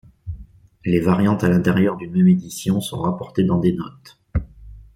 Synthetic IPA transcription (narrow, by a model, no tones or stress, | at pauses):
levaʁjɑ̃t̪alɛ̃t̪ɛʁjœʁd̪ynmɛmed̪isjɔ̃sɔ̰̃ʁapɔʁt̪ed̪ɑ̃d̪enɔt̪